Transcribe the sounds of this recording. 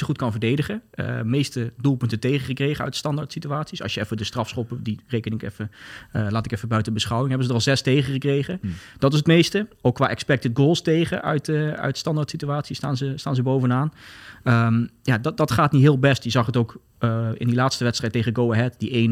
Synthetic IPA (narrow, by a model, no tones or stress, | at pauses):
əχutkɑnvəɹdejdəχəə̰mejstədulˠpɵntətejχəχəkrejχəœ̰ɥtstɑndaɹtsityaːtsisɑ̰sjəɛfədəstrɑfsχopədirejkənɪŋkɛ̰fəlaːtɪkɛfəbœɥtəbəsχɑwɪŋɦɛbənzədəɑlˠzɛstejχəχəkrejχəd̥ɑtɪsətmejstəokːʋaːʔɛkspɛk̚tɪt̚ɡolˠstejχə̰ʔœ̰ɥtəœ̰ɥtstɑndaɹtsityaːtsistaːnzəstaːnzəbowvənaːnəmjaddɑtχaːtnitɦɪːlˠbɛstjəzɑχətowk | ɪ̰ndilaːtstəʋɛtstrɛjtːejχəəɡowaɦɛtdiejn